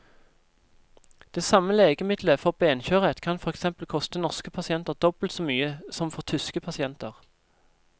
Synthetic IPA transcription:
d̪̥eːsɑməleːɡəmɪd̪ləfɔʁbeːnçøːʁət̪kʰɑnfɔʁɛksɛmpəl̩kʰɔst̪ənɔʁskəpʰɑsɪɛnt̪əʁd̪ɔb̥əl̩t̪soːmyːəsɔmfɔʁt̪ʰʏskəpʰɑsɪɛnt̪əʁ

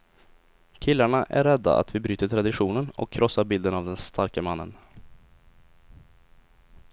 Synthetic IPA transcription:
kʰɪlːaɳaʔæ̰ɾɛd̪ːa̰ʔa̰t̪vɪbɾyːt̪əʈ̪ʰɾad̪ɪɧuːnənɔ̰kʰːɾʔɔsːaɾbɪld̪ənavd̪ɛnst̪ʰaɾkəmanːə̰n

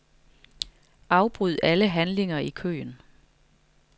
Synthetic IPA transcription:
ʔɑ̈ʊb̥ʁyð̞̰ˠæləɦænle̝ŋɐikʰø̰ːn

